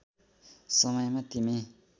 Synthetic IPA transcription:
sʌmʌjmat̪imi

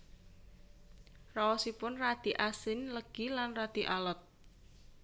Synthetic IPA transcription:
raɔsipʊnrad̪̥i̤ʔasɪnləɡ̥ilanrad̪̥i̤ʔalɔt̪̚

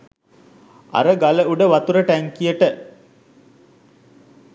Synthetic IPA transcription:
a̰ɾəɡaləuɖəʋat̪uɾəʈæŋkijəʈə

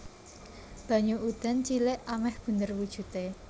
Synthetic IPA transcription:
b̥ä̤ɲuʔud̪̥a̤nt͡ʃilɪʔamɛhb̥ṳnd̪ərwud̥ʒ̥ṳt̪e

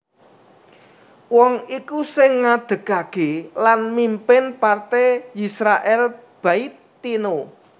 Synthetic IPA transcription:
wɔŋikusɪŋːad̪̥ə̤kakelanmimpɪnpart̪ejisɾaʔɛlb̥a̤it̪ː | ino

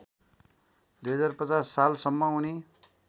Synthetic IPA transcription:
d̪ujɦʌd͡zarpʌt͡sasːalsʌmːʌuni

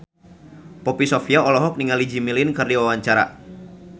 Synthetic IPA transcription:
pɔpisɔfiaɔlɔɦɔk̚niŋalid͡ʒimilinkərdiwawaɲt͡ʃaɾa̰

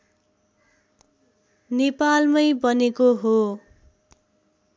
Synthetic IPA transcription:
nepalmʌjbʌnekoɦo

